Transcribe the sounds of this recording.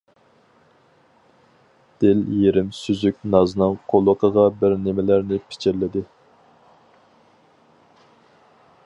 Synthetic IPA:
d̪̥ɪljeɾɪmsyzykʲnɑzɨnɨŋqʰolˠəqʰəʁɑbɪɾnɪmɪlæɾnɪpʰɪ̥t͡ʃʰɪɾlɪd̪ɪ

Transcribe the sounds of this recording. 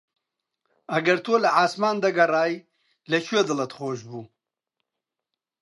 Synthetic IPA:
ɐɡɐɾt̪ʰoːlɐaːsmaːnd̪ɐɡɐraːj | lɐɕwed̪ɨlɐt̪χoːʒbuː

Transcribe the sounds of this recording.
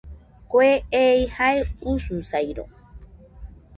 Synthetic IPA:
koeeihaeususajɾo̰

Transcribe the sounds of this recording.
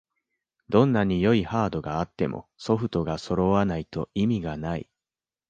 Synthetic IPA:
d̪õ̞nːaɲ̟ijo̞ihaːd̪o̞ɡaːt̪ːe̞mʔo̞̰so̞ɸɯ̟t̪o̞ɡaso̞ɾo̞βanait̪o̞̰imʲiɡanaḭ

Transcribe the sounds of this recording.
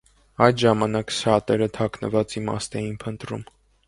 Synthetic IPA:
ɑjd̪ʒɑmɑnɑksɑt̪ɛɾət̪ʰɑkʰnə̰vɑt͡simɑ̰st̪ɛjinpʰənt̪ɾṵm

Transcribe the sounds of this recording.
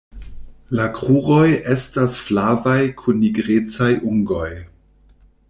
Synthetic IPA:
lakʁuʁo̞je̞stasflavajkʰunːiɡɾet͡sajʔuŋɡo̞j

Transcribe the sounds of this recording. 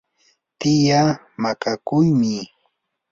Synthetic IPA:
t̪ɪja | makakʊjmɪ

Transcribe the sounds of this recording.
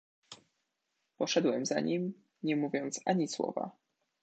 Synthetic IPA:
pɔʂɛd̪wɛmzaɲim | ɲɛmuvʲjɔnt̪sʔaɲiswɔ̰va̰

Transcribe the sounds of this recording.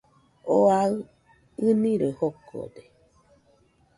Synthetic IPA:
oaɯ | ɨniɾəhoko̰d̪e

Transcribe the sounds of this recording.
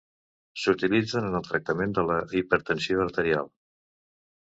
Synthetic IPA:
sut̪ilid͡zənənəlˠt̪ɾək̚t̪əmend̪ələipəɾt̪ənsioəɾt̪əɾia̰lˠ

